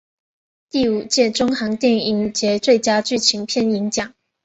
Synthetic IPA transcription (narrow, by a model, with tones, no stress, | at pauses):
t̪i˥˩u˨˩t͡ɕjɛ˥˩ʈ͡ʂʊ˥ŋxɑ˧˥ŋt̪jɛ˥˩ni˧˩ŋt͡ɕjɛ˧˥t͡swe˥˩ɪt͡ɕja˥t͡ɕy˥˩t͡ɕʰi˧˥ŋpʰjɛ˥˩ni˧˥ŋt͡ɕjɑ˨˩˦ŋ